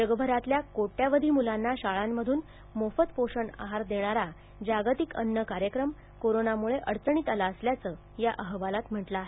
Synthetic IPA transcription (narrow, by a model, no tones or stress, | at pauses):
d͡ʑəɡbʱəɾat̪ljakoʈjaʋəd̪ʱiːmulanːaɕaɭamːəd̪ʱuːn | mofət̪poʂəɳa̰ɦaɾd̪eɽ̃aɾa | d͡ʑaɡt̪ikə̰nːəkaɾjəkɾəm | koɾonamuɭeʔəɽt͡səɳ̃iːt̪əlaəsljat͡səː | jaʔəɦʋalat̪m̤əʈlaːɦe